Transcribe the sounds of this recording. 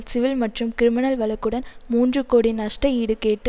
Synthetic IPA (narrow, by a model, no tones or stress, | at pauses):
lsɪʋɪlmɐʈrɯmkɪɾɪmɪnɐlʋɐɭɐkːɯɽɐnmuːndrɯkːoːɽinɐʂʈɐiːɽɯkeːʈːɯ